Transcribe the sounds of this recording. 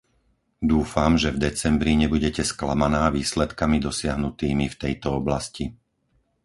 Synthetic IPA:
d̪uːfamʒɛvd̪ɛt͡sɛmbɾiɲɛbuɟɛcɛskla̰manaːʋiːslɛt̪kamid̪ɔsɪaɦnut̪iːmift̪ɛjt̪ɔɔblasci

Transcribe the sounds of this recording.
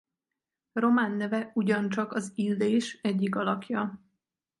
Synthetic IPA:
ro̞maːnːɛvɛuɟɒnt͡ʃɒkɒzilːeːʃɛɟːikɒlɒkjɒ

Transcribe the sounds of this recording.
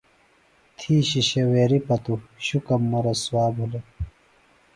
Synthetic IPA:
t̪ʰiːɕiɕɐweːɾipɐt̪uɕukɐmːɐɾɐswaːbʱule

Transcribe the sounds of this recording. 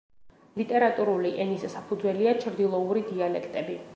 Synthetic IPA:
lit̪ʼɛɾat̪ʼuɾuliʔɛnissapʰud̪zwɛliat͡ʃʰɾd̪ilˠɔuɾid̪ialɛkʰt̪ʼɛbi

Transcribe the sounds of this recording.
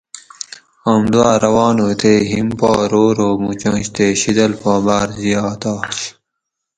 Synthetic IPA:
ɐmd̪uaːɾɐwɑːnoːt̪ʰeːɦimpɑːɾoːɾoːmut͡ɕɐ̃ːɕt̪eːɕid̪ɐlpaːbaːɾzijaːt̪aːɕ

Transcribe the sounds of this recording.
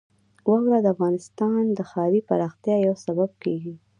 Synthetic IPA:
wɑwɾad̪əafɣɑnɪst̪ɑnd̪əxɑwipaɾɑxt̪jɑjawsabab̚keɡi

